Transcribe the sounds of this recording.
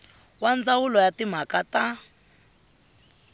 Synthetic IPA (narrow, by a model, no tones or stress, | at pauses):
wand͡zawulɔjatim̤akata